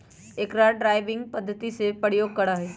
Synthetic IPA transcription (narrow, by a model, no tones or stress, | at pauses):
eːkɾaːɖɾaːɪʋɪ̃ŋɡ̚pɐd̪ʱːət̪isepəɽjoːɡ̚kɐɽaɦɛː